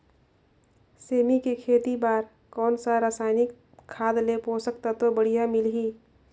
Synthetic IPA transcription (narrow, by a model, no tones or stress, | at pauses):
seːmikekʰeːt̪ibaːɾ | kɔːnsaɾaːsaːɪnɪkʰː | aːd̪lepoːsək̚t̪at̪obəɽ̤ijamɪlɦiː